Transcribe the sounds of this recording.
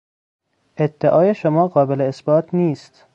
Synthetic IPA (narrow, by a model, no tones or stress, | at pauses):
ʔed̪ːeʔɒːjeʃomɒːɢɒːbeleːsbɒːt̪ʰniːst̪